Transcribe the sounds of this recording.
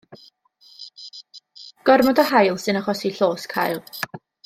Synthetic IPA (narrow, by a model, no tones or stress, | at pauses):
ɡ̥ɔrmɔdəɦajlˠsɨnaχɔsiɬoːskʰajlˠ